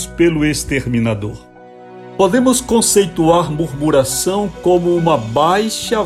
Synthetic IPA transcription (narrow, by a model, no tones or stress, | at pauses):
spelʊest̪eɾmĩnad̪oɾ | pod̪ẽmʊskõsejt̪uaɾmuɾmuɾasɐ̃w̃kõmʊũmɐbajʃɐ